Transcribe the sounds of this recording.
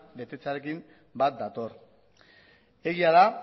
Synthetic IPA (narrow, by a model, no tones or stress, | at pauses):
be̞t̪e̞t͡saɾe̞kim | bat̪̚d̪at̪o̞ɾ | e̞ɣiaða